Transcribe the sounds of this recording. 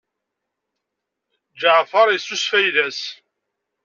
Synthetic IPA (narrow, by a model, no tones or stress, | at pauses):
d͡ʒaʕfɑɾˤisusfæjðæs